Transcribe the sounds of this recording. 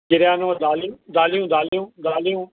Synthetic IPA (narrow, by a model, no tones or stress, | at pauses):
ɡɪɾjaːnoːd̪aːljũːd̪aːlijũːd̪aːlijũːd̪aːlijũː